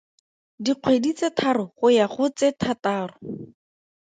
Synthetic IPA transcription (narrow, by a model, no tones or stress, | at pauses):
diq͡χʰwedit͡setʰarʊχʊjaχʊt͡sɛtʰataːrʊ